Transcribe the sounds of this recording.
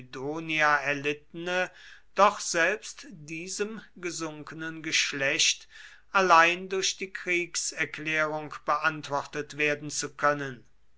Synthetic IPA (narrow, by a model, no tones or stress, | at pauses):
doːniaɛɐlɪtənəd̥ɔχz̥ɛlpstdiːzəmɡəzʊŋkənənɡəʃlɛɕt | ʔalaɪndʊɐɕd̥iːkʁ̥iːksɛɐklɛːʁʊŋkb̥əʔantv̥ɔχtətv̥eːɐdn̩t͡sukʰœnən